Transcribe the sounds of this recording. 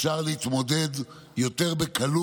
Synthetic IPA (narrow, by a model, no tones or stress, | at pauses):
ʃaʁlehit̪mo̞d̪e̞d̪ | jo̞t̪e̞ʁbekalu